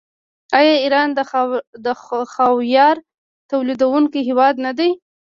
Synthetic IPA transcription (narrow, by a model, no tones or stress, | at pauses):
ɑjɑiɾɑnd̪əd̪əxɑwjɑɾ | t̪awlid̪awuŋkiɦɪwɑd̪nad̪aj